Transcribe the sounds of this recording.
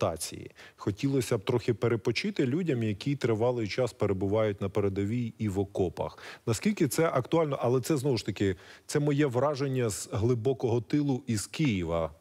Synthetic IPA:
t̪ɑt͡sʲḭjḭxɔtʲilˠɔsʲɐb̚t̪ɾɔxʲɪpeɾepɔt͡ʃɪt̪ɪlʲudʲɐmjɐkʲit̪ɾɪʋɑlˠɪjt͡ʃɑspeɾebʊʋɑjʊtʲnɐpeɾed̪ɐʋʲiiʋɔkɔpɐ̰xnɐskʲilʲkɪt̪sɛʔɐkt̪ʊɑlʲnɔʔɐlˠɛt̪sɛznɔʋʊʃt̪ɐkɪt̪sɛmɔjɛʋɾɑʒenʲːɐzɦlˠɪbɔkɔɦɔt̪ɪlˠʊʔiz̥kɪjiʋɐ

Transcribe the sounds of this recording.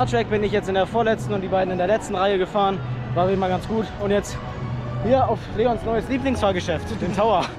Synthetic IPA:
aɐtʁ̥ɛk̚b̥ɪnɪçjɛt͡stɪndeːɐfoːɐlɛt͡stn̩ʊntd̥iːbaɪdn̩ɪndeɐlɛt͡stn̩ʁaɪəɡəfaːʁənvaːɪːn̩maːlɡansɡ̥uːtʊntjɛt͡st | hiːɐaʊfleːɡɔnsnɔʏəsliːplɪŋsfaːlɡəʃɛftd̥eːntʰaʊɐ

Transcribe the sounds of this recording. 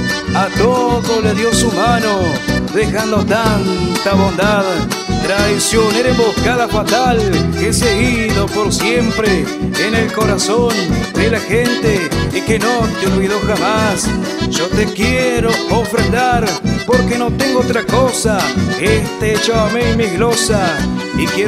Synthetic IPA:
at̪oðoleðjo̞sumanoðexand̪ot̪ant̪aβo̞nd̪aðt̪ɾajsjoneɾembohkaðafat̪alkeseiðo̞po̞ɾsjempɾeː | ne̞lko̞ɾasond̪elaxent̪eikenot̪eolβiðo̞xamas | ʒ̥ot̪ekjeɾoofɾend̪aɾpo̞ɾkeno̞t̪e̞ŋɡoot̪̬ɾako̞saest̪eet͡ʃoamemiɣɾo̞sa | ikje

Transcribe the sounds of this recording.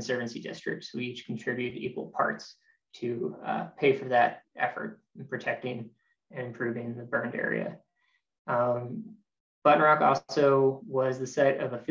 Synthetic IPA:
n̩sɜ˞vɨ̃n̩sidɪ̰stɹ̥ɨ̰k̚tswit͡ʃkʰn̩tʰɹ̥ɪbjʉɾɨɾḭkwl̩ˠpʰɑ̰ɹts | tʰɨpʰeɪfə˞ðɨɾʔɛfə̰˞t̚ | pʰɹ̥ɨtʰɛk̚tɪ̃ŋ | ɨ̃nɨ̃mpʰɹ̥ʉvɪ̃ŋðəbɜ̃˞ndɛ̰ɹḭɨ̰ | b̥ʌʔn̩ɹɑkɔ̰lˠsoʊwʌzðɨsɛɾʌvəf

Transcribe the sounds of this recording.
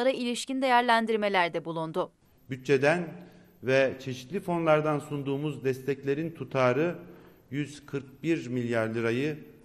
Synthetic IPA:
ɾɯilʲiʃcind̪ejæɾlʲænd̪iɾme̞lʲæɾd̪ɛbulˠund̪ʊ | byt̪̚t͡ʃːe̞d̪æn | vɛt͡ʃʰe̞ʃit̪lʲifo̞nlˠaɾd̪ansund̪uːmuzd̪ɛst̪ʰɛclʲe̞ɾint̪ʰut̪ʰaːɾɯ | jyz̥kʰɯɾk̚biɾmilʲjaɾlʲˠɯɾajɯ

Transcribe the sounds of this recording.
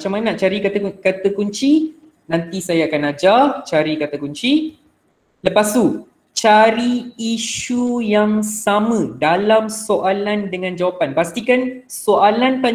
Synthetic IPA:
t͡ʃamannaʔt͡ʃaɾikakat̪əkuɲt͡ʃi | nãnt̪isajaːkanad͡ʒat͡ʃaɾikat̪əkuɲt͡ʃi | ləpast̪u | t͡ʃaɾiːʃujaŋsamə̃dalamsoʔalandəŋãnd͡ʒawapanpast̪ikan | soʔalant̪a

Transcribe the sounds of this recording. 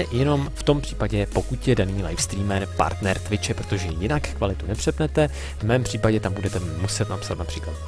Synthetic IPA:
jɛno̞mft̪o̞mpr̝̥iːpaɟɛpo̞kut̪jɛdaniːla̰jfst̪ɾiːmɛɾpa̰ɾt̪nɛɾt̪vɪt͡ʃɛpɾo̞t̪o̞ʒɛjɪnakkvalɪt̪unɛpr̥ɛpnɛt̪ɛ | vmɛːmpr̥iːpaɟɛt̪ambudɛt̪ɛmusɛt̪napsat̪napr̥iːklat̪̚

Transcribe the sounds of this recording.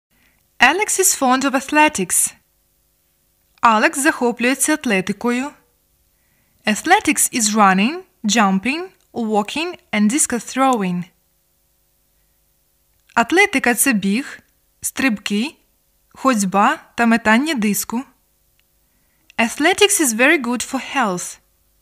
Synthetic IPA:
ɛlˠɛksɪz̥fɔ̃ndɔvɐθlɛtɪks | alˠɛkszɐxɔplʲʊjɛt͡sʲːɐɐt̪lɛt̪ɪkɔjʊ | ɐθlˠɛtʲɪksɪzɹanɪ̃ŋ | d͡ʒãmpɪ̃ŋ | wɔkʰʲɪ̃ŋɛ̃nd̪ɪskɐθɾoʊɪ̃ŋ | ɐt̪lɛt̪ɪkɐt̪sɛbʲix | st̪ɾɪbkɪ | xɔd͡zʲbat̪ɐmɛt̪anʲːɛd̪ɪskʊ | ɐθlɛtɪksɪzvɛɹiɡʊdfɔhɛlˠθ

